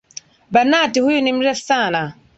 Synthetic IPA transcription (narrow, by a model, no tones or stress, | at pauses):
banaːtihʊjunimɾɛsaːna